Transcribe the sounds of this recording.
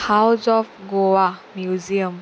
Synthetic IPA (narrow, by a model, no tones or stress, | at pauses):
hawzɔfɡowamjuziəm